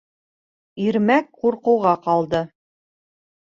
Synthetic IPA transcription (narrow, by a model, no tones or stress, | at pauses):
iɾmækquɾqɤ̆wʁɑqɑlˠd̪ɤ